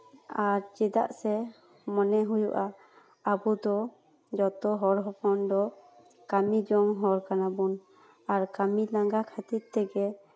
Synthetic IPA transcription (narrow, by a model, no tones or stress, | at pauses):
aɾd͡ʒɛd̪a̰ʔsɛ | mɔnɛɦujṵʔaː | bud̪ɔ | d͡ʒɔt̪ɔɦɔɾɦɔkɔnd̪ɔ | kamid͡ʒɔŋɦɔɾkanabun | aɾkamilaŋɡakʰat̪it̪̚t̪ɛɡɛ